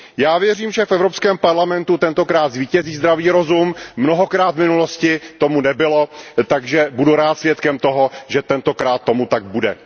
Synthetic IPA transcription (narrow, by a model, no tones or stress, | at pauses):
jaːvjɛriːmʒɛfʔɛvɾo̞pskɛːmpaɾlamɛnt̪ut̪ɛnt̪o̞kɾaːt̪zviːcɛziːzd̪ɾaviːɾo̞zumːnoɦo̞kɾaːt̪vmɪnulo̞scɪt̪o̞munɛbɪlo̞t̪aɡʒɛbuduɾaːt̪svjɛt̪kɛmt̪o̞ɦo̞ʒɛt̪ɛnt̪o̞kɾaːt̪ːo̞mut̪aɡ̚budɛ̰